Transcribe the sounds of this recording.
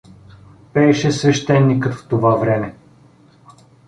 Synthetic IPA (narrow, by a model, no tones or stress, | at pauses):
pɛɛʃɛsvɛʃt̪ɛnːikɤt̪ft̪ovavɾɛmɛ